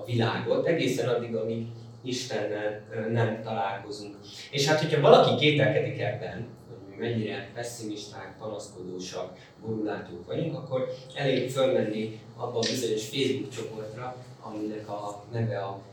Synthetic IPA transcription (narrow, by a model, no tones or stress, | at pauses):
ɒvilaːɡo̞t̪ːɛɡeːsɛnɒd̪ːiɡɒmi | iʃt̪ɛnːɛlnɛmt̪ɒlaːlko̞zuŋk | eːʃhaːt̪ho̞cʰɒvɒlɒkikeːt̪ɛlkɛd̪ikɛbːɛn | hoɟmimɛɲːiɾɛpɛsːimiʃt̪aːk̚pɒnɒsko̞d̪oːʃɒk | boɾulaːt̪oːkʋɒɟuŋkɒkːo̞r | ɛleːɡfølmɛnːi | ɒbːɒbizo̞ɲo̞ʃfeːzbukt͡ʃo̞po̞rt̪rɒ | ɒminɛkɒnɛvɛɒ